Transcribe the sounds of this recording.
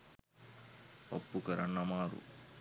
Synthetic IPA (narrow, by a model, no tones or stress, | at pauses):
pɐpːukɐɾɐ̰ɳːɐmaːɾṵ